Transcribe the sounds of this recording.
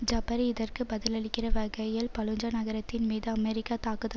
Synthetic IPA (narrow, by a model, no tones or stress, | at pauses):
d͡ʒɐbɐɾiɪðɐrkɯbɐðɪlɐɽɪkːɪrɐʋɐɣɐjɪlpɐlɯɲd͡ʒɐnɐɣɐɾɐt̪ːɪnmiːðɯɐmɛɾɪkːaːt̪aːkɯðɐ